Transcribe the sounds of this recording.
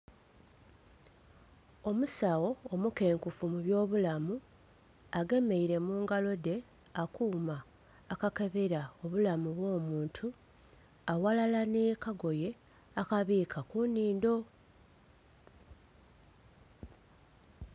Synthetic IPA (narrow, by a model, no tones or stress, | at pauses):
o̞musawo̞ːmuke̞ːŋkufumuβjo̞ːβulamu | aɡe̞me̞iɾe̞muːŋɡalo̞de̞ | akuːmaː | kake̞βeɾao̞βulamuβwo̞ːmuːntʰu | awalalanekaɡo̞je̞ | akaβiːkʰakuniːndo̞